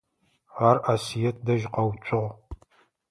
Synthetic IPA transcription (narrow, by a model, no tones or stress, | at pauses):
ʁarʔasijɛt̚ʰdɐʒqɐwt͡ʃʷʼʊʁ